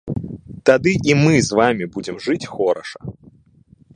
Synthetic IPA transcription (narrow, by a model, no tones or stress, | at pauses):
t̪ad̪ɨʔimɨzvamʲibud͡zʲɪmʐɨt͡sʲxɔɾɐ̰ʂɐ̥